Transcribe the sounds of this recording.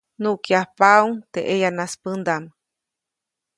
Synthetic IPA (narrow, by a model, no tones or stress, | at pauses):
nuʔkjahpauŋt̪eʔejanaspənd̪am